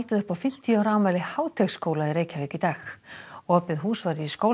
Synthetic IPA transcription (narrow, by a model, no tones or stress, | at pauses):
lt̪ʏðʏhpawfɪm̥t̪iawɾaːwmaːlɪhaːwt̪ʰɛkskowlaiɾeːjcʰavɛːkit̪aːxɔːpɪðɦuːsvaɾɪiskoːw